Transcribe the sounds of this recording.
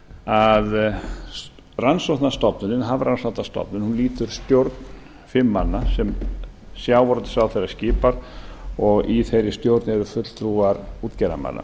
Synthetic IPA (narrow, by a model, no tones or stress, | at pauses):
að | ransɔht̪nast̪ɔpnʏnɪnɦavɾansɔwht̪ast̪ɔ̰pnɪnhunliːt̪ʏɾ̥st̪jowɾt̪nn | fɪmːanːasɛmsjaːwvɔɾt̪ɪ̥sawθejɾḁscɪːpaɾɔɣiθejɾɪst̪jowɾt̪nɪɛɾʏfʏt̪l̥t̪ɾuːaɾuːt̪cɛɾa̰ma̰nːa̰